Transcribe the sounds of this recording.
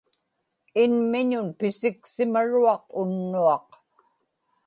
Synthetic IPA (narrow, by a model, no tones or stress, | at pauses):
ɪnmɪɲʊnpɪsɪksɪmaɻuɑqʊnːuɑq